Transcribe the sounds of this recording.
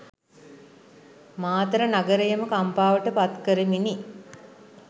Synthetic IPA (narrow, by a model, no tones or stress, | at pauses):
maːt̪əɾənaɡəɾejəməkampaːʋəʈəpat̪kəɾəmini